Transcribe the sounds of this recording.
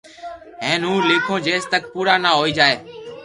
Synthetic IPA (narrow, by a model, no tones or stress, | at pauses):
ɦɛ̃ːnũːleːkʰõːd͡ʒeːst̪ək̚puːɾaːnaːɦoːiːd͡ʒaːeː